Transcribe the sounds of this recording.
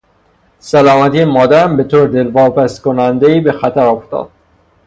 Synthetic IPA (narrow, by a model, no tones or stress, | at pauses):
sælɒːmæt̪iːemɒːd̪æɾæmbe̞t̪ʰoːɾd̪elvɒːpæst̪konænd̪eiːbe̞xæt̪ʰæɾoft̪ɒ̰ːd̪̥̚